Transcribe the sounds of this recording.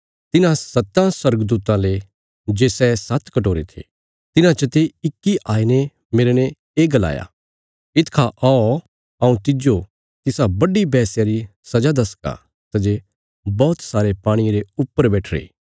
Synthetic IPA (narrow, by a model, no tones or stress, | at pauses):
t̪ɪnãsɐt̪ːãswɐɾɡəd̪uːt̪ãle | d͡ʒeːsɛsɐt̪kɐʈoːɾet̪ʰḛ | t̪ɪnãt͡ʃət̪eɪkːiʔaːine | meɾñe | eːɡɐla̰ːja̰ | ɪt̪kʰaʔao | ɐũt̪ɪd͡ʒo | t̪ɪsabɐɖibɛːsjaɾisɐd͡ʒad̪ɐska̰ | sɐd͡ʒe | bɔːt̪saːɾepaːɽ̃iɾeʊpːəɾbɛːʈʰɾḛː